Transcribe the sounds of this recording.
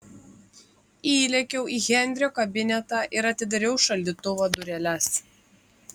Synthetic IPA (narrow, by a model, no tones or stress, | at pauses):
iːlʲɛkʲɛʊʔiːɣʲɛnʲd̪ʲɾʲɪjoːkɐbʲɪnʲɛt̪ɑʔɪɾɐt̪ʲɪd̪ɐɾʲɛʊʃɐlʲd̪ʲit̪ʊʋoːd̪ʊɾʲɛlʲɛs